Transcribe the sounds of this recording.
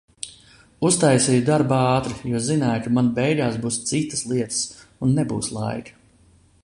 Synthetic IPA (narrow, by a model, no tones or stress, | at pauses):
ust̪ajsiːjud̪aɾbɑːt̪ɾijuɔzinaːjkamanbɛjɡaːsbuːst̪sit̪ːə̥slˠiɛt̪ə̥sunːɛbuːslˠa̰jkɐ̥